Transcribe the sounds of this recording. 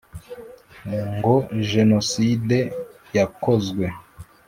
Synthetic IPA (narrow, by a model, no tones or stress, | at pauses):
ŋɡoʒe̞no̞side̞ | jakozɡwe̞